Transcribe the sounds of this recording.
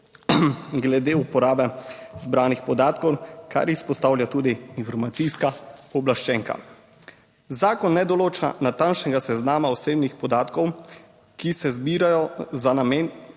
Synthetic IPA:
ɡlɛd̪eupɔɾaːbɛzbɾaːnixpɔd̪aːt̪kɔwka̰ɾispɔst̪aːwljat̪uːd̪iinfɔɾmat̪sijskaɔblaʃt͡ʃɛːŋka̰ | zaːkɔnːɛd̪ɔloːt͡ʃa̰nat̪anʃnɛɡasɛznaːmaɔseːbnixpɔd̪aːt̪kɔw | kisɛzbiːɾajɔzanamen

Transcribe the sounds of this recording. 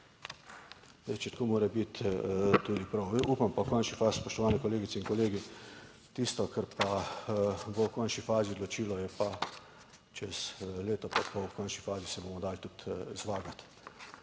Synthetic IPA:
ɛt͡ʃɛt̪koːmoːɾɛbit̪t̪ud̪ipɾɔwiʔupampakɔnʃnifaːsspɔʃt̪ɔʋaːnɛkɔleːɡit̪sɛinkɔleːɡi | t̪ist̪ɔkɛɾpa | bowkɔnʃnifaːziod̪lɔt͡ʃiːlɔjɛpa | t͡ʃɛsleːt̪ɔpapɔkɔnʃnifaːzisɛboːmɔd̪aːlt̪ut̪zʋaːɡat̪

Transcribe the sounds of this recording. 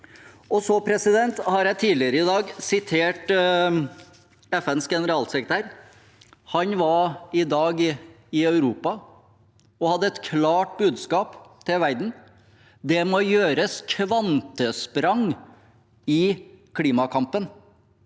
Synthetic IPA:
ɔsɔpʰɾɛsɪd̪ɛnt̪hɑɾjæɪt̪ʰiːlɪəɾəɪd̪ɑːɡsɪt̪ʰeːʈ | ɛfɛnsɡɛnəɾɑːlsɛkɾət̪ʰæːɾ | hɑnʋɑɾɪd̪ɑːɡ | ɪœʉɾuːpɑ | ɔhɑd̪ːəɛt̪kʰlɑːʈbʉːd̪skɑːpt̪ʰɪlʋæɾd̪n̩ | d̪ɛmojøːɾəskʰʋɑnt̪əspɾɑŋ | ɪkʰliːmɑkʰɑmpən

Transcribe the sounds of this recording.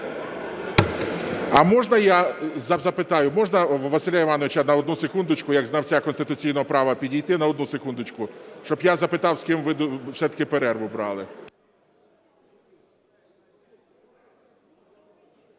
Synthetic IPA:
ɐmɔʒnɐjazɐzɐpɪt̪ɑjʊmɔʒnɐʋɐsɪlʲaiʋɑnɔʋɪt͡ʃɐnɐɔd̪nusekund̪ʊt͡ʃkʊjɐɡznɐwt͡sʲakɔnst̪ɪt̪ʊt͡sʲijnɔɦɔpɾɑʋɐpʲidʲijt̪ɪnɐɔd̪nusekund̪ʊt͡ʃkʊʃt͡ʃɔbjazɐpɪt̪ɑwskɪmʋɪd̪sɛt̪ɐ̥kɪpeɾɛrʋʊbɾɑ̰lˠɪ

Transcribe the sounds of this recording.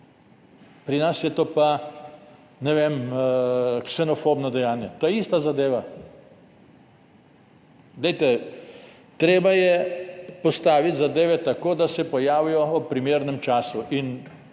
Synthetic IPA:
pɾinasjɛt̪oːpa | nɛʋem | ksɛnɔfoːbnɔd̪ɛjaːnjɛt̪oːjɛist̪azad̪eːʋa | ɡ̪lɛjt̪ɛ | t̪ɾeːbajɛpɔst̪aːʋit̪zad̪eːʋɛt̪akoːd̪asɛpɔjaːʋijɔɔpɾimeːɾnɛmt͡ʃaːsuʔin

